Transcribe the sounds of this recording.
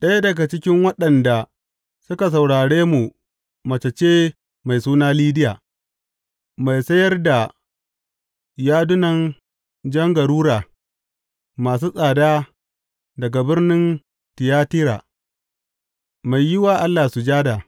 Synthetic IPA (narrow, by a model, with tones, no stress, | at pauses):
ɗɐ˦ja˦dɐ˨ɡa˨t͡ʃɪ˦kʲɪ˦ŋwɐ˦ɗɐ˨nda˨ | sʊ˦ka˨s̬a˨wɽaː˨ɽeː˦mu˨ | mɐ˨t͡ʃɐ˨t͡ʃeː˦ | ma˨jsuː˦naː˦liː˦dɪ˦jaː˨ | ma˨jsɐ˦jɐ˦rda˨ | jaː˦dʊ˦nɐ˨n | d͡ʒɐ˦ŋɡɐ˨ɾuː˦ɾaː˨ | maː˨s̬uː˦sʼaː˨daː˦ | dɐ˨ɡa˨bɪ˦rnɪ˦n | tɪ˨jaː˦tɪ˦ɾa̰ː˨ | ma˨jːɪ˦waː˨ʔa˦lːaː˨su˨d͡ʒaː˦da˨